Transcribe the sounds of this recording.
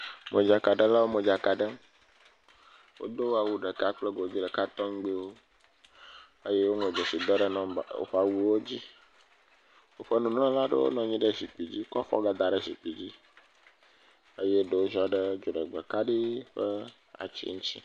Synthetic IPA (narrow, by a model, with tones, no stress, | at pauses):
me˨d͡ʒa˨ka˨ɖə˦la˦wo˦mə˨d͡ʒa˨ka˨ɖə˦m | wo̰˦d̪o˦wa˨wu˦ɖə˨ka˦k͡plə˦ɡo˨d͡ʑi˦ɖə˨ka˦t̪ɔ˦ŋ̩˦ɡ͡bi˦wo˦ | ə˦je˦wo˦ŋe˨d͡ʒo˨si˨d̪ɔ˦ɖə˦nɔ̃˦˨o̰˨ɸa˨wu˦wo˦d͡ʑi˦ | wo˦ɸə˦nũ˨n˦ɔ̃˦la˦ɖə̰˦wo̰˦nɔ̃˨ɲĩ˦ɖə˦zi˨k͡pi˨d͡ʑi˦kɔ˦fɔ̰˦ɡa˨d̪a˨ɖə˦zi˨k͡pi˨d͡ʑi˦ | ə˦je˦ɖə˨wo˦ʒɔ˦ɖə˦d͡ʒo˨ɖə˨ɡ͡bə˨ka˦ɖi˦ɸə˦ | a̰˨t͡ɕḭ˦ŋũ˦t͡ɕḭ˦